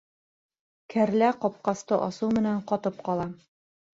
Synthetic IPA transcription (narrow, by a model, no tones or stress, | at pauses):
kʰæɾlæqɒp̚qɑst̪ɤʔɒsɤmɘ̆næɴqɒt̪ɤp̚qɑlˠɑ